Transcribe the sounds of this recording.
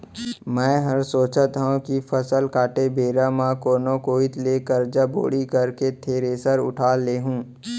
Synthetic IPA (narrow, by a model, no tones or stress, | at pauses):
mɛ̃ːɦɐɾsoːt͡ʃət̪ɦõkifʰəsəlkaːʈebeːɾamãkoːnõkoːɪt̪leːkəɾd͡ʒabo̰ːɽikɐɾket̪ʰeːɾeːsəɾʊ̰ʈʰaːleːɦũː